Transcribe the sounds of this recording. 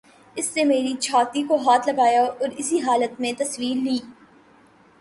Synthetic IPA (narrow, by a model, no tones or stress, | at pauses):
ɪsːemeːɾit͡ʃʰaːt̪ikoɦaːt̪lɐɡaːjaɔːɾɪsiɦaːlət̪mẽt̪ɐswiːɾliː